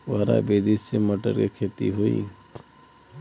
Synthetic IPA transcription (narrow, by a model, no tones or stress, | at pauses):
ʋaɾa̰beːd̪isemɐʈə̰ɾkekʰeːt̪ḭɦoḭ